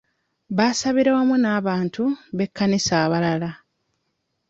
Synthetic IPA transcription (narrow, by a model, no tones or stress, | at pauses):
βaːsaβiɾawamunaːβaːntuβe̞kːanisaːβalala